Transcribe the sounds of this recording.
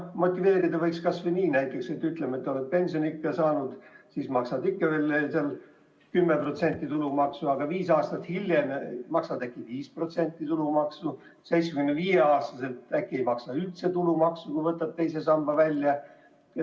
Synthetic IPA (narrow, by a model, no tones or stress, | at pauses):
mo̞t̪ʲːˑive̞ːɾid̪ɑvɤjkskɑsveniːnæjt̪ːˑekset̪ːyt̪lemet̪ːolet̪̚pe̞nʲsʲio̞nikːesɑːnud̪̥sismɑksɑd̪ikːeveːlːeseɑl | kymːepro̞t̪se̞nʲt̪ːˑit̪ulumɑksuɑɡ̥ɑviːsɑːst̪ɑt̪hilʲjemmɑksɑd̪ækːˑiviːspro̞t̪se̞nʲt̪ːˑit̪ulumɑksu | se̞jt̪smeɡ̥ymnːeviːjeɑːst̪ɑse̞lt̪ækːie̞jmɑksɑylt̪se̞t̪ulumɑksukujvɤt̪ːˑɑb̥̚t̪ejse̞sɑmb̥ɑvælʲːjɑ